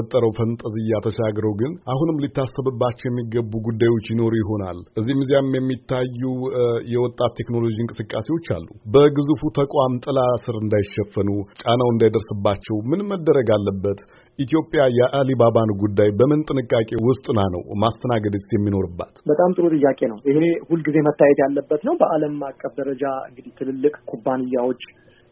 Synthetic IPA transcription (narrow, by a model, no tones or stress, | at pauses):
ət̪ʼːəɾəwfənt̪ʼəzɨjat̪ʰəʃaɡɾəwɡɨnʔahunɨmlit̪ʰːasːəβɨbːat͡ʃːɛwjɛmːiɡəbːuɡud̪ːajwo̞t͡ʃːjɪno̞ɾujɪɦo̞na̰lʔɨzːimɨzijammjɛmːit̪ʰːajːujɛwɔt̪ʼːat̪ʰːe̞kno̞lo̞d͡ʒinkʼɨsɨkʼːase̞wo̞t͡ʃːa̰lːṵbəɡɨzufut̪ʰəkʼwamt̪ʼɨlasɨɾɨnd̪ajɪʃːɛfːənut͡ʃʼanawɨnd̪ajd̪əɾsɨbːat͡ʃːɛwmɨnmːəd̪ːəɾəɡalːəbːət̪ | ʔit̪ʰijo̞pʼːjajɛʔalibabanɡud̪ːajbəmɨnt̪ʼɨnɨkʼːakʼe̞wʊst̪ʼɨnanə̰wmast̪ʰənaɡəd̪əjɛmːino̞ɾɨbːa̰t̪bət̪ʼamt̪ʼɨɾut̪ʼɨjːakʼe̞nəwʔihehulːɡize̞mət̪ːajɛt̪jalːəbːət̪nəwbəʔaləmmakʼːəfd̪əɾəd͡ʒaɨ̰ŋɡɨd̪it̪ʰɨlɨlːɨkʼkʰubːanɨjːawo̞t͡ʃː